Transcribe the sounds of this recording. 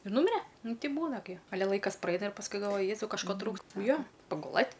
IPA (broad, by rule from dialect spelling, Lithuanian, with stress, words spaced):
ɪr ˈnʊmʲɪrʲɛ ˈnʊ ˈtʲɛɪ ˈbuːnɐ ɡʲɪ ɐˈlʲɛ ˈlˠɐɪkɐs prɐˈɛɪnɐ ɪr pɐsˈkʊɪ ɡɐlˠˈʋoːjɪ ˈjæːzɐʊ kɐʃˈkoː ˈtruːks ˈjoː pɐɡʊˈlˠɘtʲ